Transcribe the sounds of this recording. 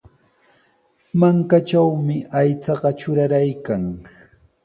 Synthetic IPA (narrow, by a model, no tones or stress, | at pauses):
maŋkat͡ʃawmɪajt͡sɑɢɑt͡ʃʊɾaɾajkaŋ